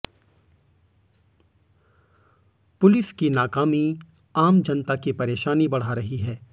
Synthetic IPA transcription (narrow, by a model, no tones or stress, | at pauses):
pʊlɪskinaːkaːmi | aːmd͡ʒɐnt̪akipɐɾeːʃaːnibɐɽ̤aɾɐɦiɦɛː